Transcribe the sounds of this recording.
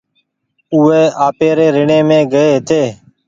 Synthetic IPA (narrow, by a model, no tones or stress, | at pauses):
ʊːeːʔaːpeːɾeːɾɪɳẽːmẽːɡəeːɦt̪ʰeː